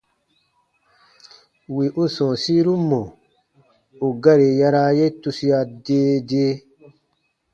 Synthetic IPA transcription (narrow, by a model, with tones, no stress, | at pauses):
wi˨ʔu˦sɔ̃ː˨si˦ɾu˦mːɔ˨ | u˨ɡa˦ɾe˨ja˦ɾa˦je˦tu˧si˦ja˧deː˦de˦